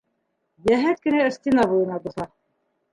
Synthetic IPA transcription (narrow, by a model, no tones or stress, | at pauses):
jæɦæt̪̚kɘ̆næɘ̆st̪inɑbujɤ̆nɑb̪uθɑ